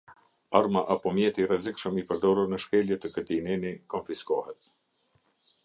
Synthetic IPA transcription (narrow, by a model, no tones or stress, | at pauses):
aɾmaʔapɔmjɛt̪irɛzikʃəmipəɾd̪ɔɾuɾnəʃkɛljɛt̪əkət̪inɛnikɔnfiskɔhɛt̪̚